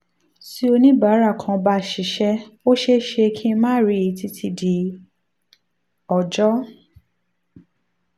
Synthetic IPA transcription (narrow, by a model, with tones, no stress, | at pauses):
si˦o˧nĩ˦ba˨˦ɾa˦˨kʰã˧ba˧˦˨ʃi˨ʃɛ˦o˦ʃe˦ʃe˧kʰĩ˦mãː˦˨ɾi˨˦i˧˨ti˧tʰi˧di˨˧˦ | ɔ˨d͡ʒɔ˦